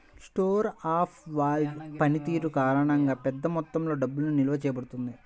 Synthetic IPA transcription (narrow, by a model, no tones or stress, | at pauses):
sʈoːɾaːpʰʋaːlpɐnit̪iːɾukaːɾɐɳɐŋɡaːpɛd̪ːɐmɔt̪ːɐmlo̞ːɖɐbːulununilɐʋɐt͡ʃɛːjɐbɐɽut̪und̪i